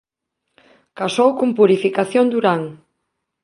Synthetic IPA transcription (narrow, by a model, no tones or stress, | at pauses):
kasowkumpuɾifikaθjond̪uɾaŋ